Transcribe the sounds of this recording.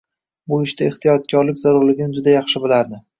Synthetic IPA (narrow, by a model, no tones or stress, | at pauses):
bʊɪʃt̪aɪht̪ʰijɒt̪̚kʲʰɒɾlɪkʲzaɾʊɾlɪɡʲɪnɪd͡ʒʊd̪ajɑχʃɪbɪlaɾd̪ɪ